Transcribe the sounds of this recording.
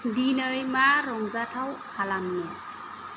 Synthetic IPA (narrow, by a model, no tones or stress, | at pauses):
dinɯjmaɾɔŋzatʰawkʰalamne